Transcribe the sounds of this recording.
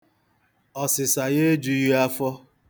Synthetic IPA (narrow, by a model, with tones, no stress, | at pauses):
ɔ˨sɪ˨sa˨ɣe˦d͡ʒu˨ji˦a˦fɔ˦